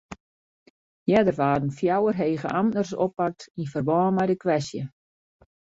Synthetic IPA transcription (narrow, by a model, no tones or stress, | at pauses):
jɛdərʋaːdn̩fjawərɦeːɣəʔamnərso̰pːak̚tinfərbɔːnmɛjdəkʋɛsjə